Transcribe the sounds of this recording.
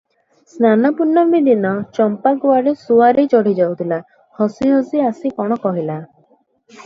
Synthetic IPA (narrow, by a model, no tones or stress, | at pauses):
snanɔpuɾnːɔɾmid̪inɔt͡ʃɔmpakuaɾesuaɾejt͡ʃɔɽ̤id͡ʒawt̪ʰila | hɔsiɦɔsiasikɔɽ̃ɔkɔɦila